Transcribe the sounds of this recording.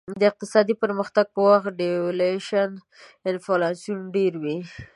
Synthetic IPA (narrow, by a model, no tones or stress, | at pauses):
d̪əɪq̚t̪ɪsɑd̪ipəɾməxt̪aɡ̚pəwaxɖeleʃan | ɪnfolasjunɖeɾwi